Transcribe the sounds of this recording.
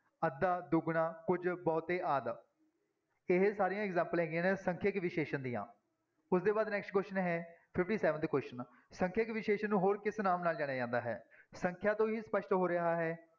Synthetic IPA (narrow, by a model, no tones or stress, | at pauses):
əd̪ːaːd̪ʊɡɳãːkʊd͡ʒbɔːt̪eːʔaːd̪ | ɪɦsaːɾijãːɛɡzɛ̃ːmpəlɦɛ̃ːɡɪjãːnẽːsəŋkʰekʋɪʃeːʃənd̪ijã̰ː | ʊsd̪eːbaːd̪nɛːksʈkoːʃənɦɛːpʰɪfʈiːsɛːʋənt̪ːkoːʃən | səŋkʰəkʋɪʃeːʃənːũːɦoːɾkɪsnaːmnaːld͡ʒaːɽ̃jaːd͡ʒãːnd̪aːɦɛ̰ːsə̃ŋkʰjãːt̪õːɦiːspəʃʈɦoːɾɪɦaːɦɛː